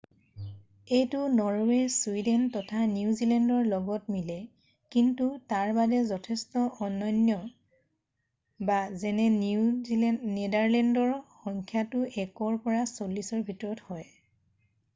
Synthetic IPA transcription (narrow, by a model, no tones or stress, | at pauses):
ejtʊnɔɹwɛsuidɛntɔtʰaniuzilɛndɔɹlɔɡɔtmilɛ | kintutaɹbadɛzɔtʰɛstɔɔnːɔnjɔ | bazɛnɛ | nedaɹlɛndɔɹxɔŋkʰjatʊʔɛkɔɹpɔɹasolisɔɹbʱitɔɹɔthɔj